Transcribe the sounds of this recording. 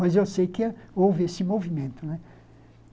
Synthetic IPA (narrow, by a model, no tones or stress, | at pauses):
mɐzewsejkɪowvɪesɪmovimẽnt̪ʊnɛ